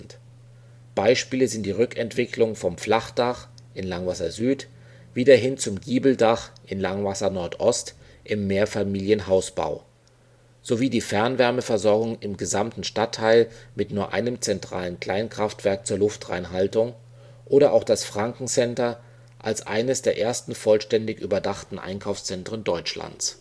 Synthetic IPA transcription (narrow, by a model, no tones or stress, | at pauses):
t | b̥aɪʃpiːləzɪnt̚d̥iːʁʏkɛntv̥ɪklʊŋfɔmflaχd̥aχ | ʔɪnlaŋvasɐzyːt | v̥iːdɐɦɪnt͡sʊmɡiːbl̩daχʔɪnlaŋvasɐnɔɐtʔɔst | ʔɪmːeːɐfamiːljənɦaʊsb̥a̰ʊ | z̥oviːdiːfɛɐnvɛɐməfɛɐzɔɐɡʊŋɪmɡəzamtn̩ʃtatʰːaɪlmɪtnuːɐʔa̰ɪnəmt͡sɛntʁ̥a̰ːlənkl̥aɪnkʁ̥aftv̥ɛɐk̚t͡suːɐlʊftʁa̰ɪnɦaltʊŋ | ʔoːɾɐʔa̰ʊxd̥asfʁ̥aŋkŋ̩t͡sɛntɐ | ʔalsʔa̰ɪnəsd̥eːɐʔeːɐstn̩fɔlʃtɛndɪçʔy̰ːbɐdaχtn̩ʔa̰ɪnkʰaʊfst͡sɛntʁ̥əndɔʏt͡ʃla̰nt͡s